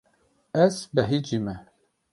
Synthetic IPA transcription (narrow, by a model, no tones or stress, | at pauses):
ɛzbɛɦid͡ʒimɛ